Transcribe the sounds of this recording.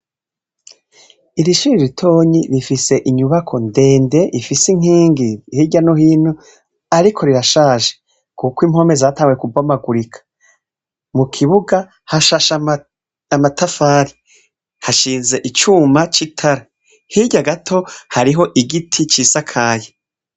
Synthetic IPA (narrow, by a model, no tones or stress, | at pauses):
iɾiʃiɾiɾitʰo̞ːɲiɾifise̞ʔiɲuβakʰo̞nde̞ːnde̞ʔifisiŋ̥iːŋɡihiɟanohiːnu | aɾikʰo̞ɾiɾaʃaːʒe | kukwiːmho̞mezataːŋɡwekubwamaɡuɾikʰḁ | mukʰiβuɡa | haʃaʃa | amatʰafaːɾi | haʃiːnze̞ʔit͡ʃumat͡ʃitʰaɾa | hiɟaɡatʰo̞haɾiɦo̞ʔiɡitʰit͡ʃiːsakʰaːje